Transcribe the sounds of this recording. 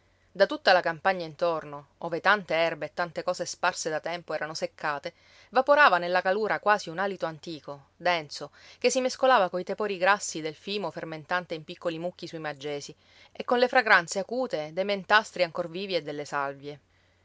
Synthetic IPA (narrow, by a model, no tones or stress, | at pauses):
d̪at̪ut̪ːalakampaɲːaint̪ornooːvet̪ant̪eɛrbeːt̪ːant̪ekɔːzesparsed̪at̪ɛmpoɛːɾanosekʰːaːt̪e | vapoɾaːvanelːakaluːɾʔakwaːziunalit̪oant̪iːko | d̪ɛnt̪sokesːimeskolaːvakoit̪epoːɾiɡɾasːid̪elfiːmoferment̪ant̪eimpikːolimukːisuimad͡ʒːeːsi | ekːonlefɾaɡɾant̪seakuːt̪ed̪ejment̪ast̪ɾiaŋkorviːvied̪ːelːesalvje